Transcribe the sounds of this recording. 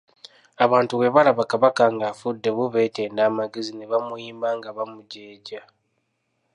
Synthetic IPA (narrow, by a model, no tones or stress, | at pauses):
aβaːntuwe̞βalaβakaβakaŋɡaːfudːe̞βuβe̞ːte̞ːndaːmaɡezineβamujiːmbaːŋɡaβamuɟe̞ːɟa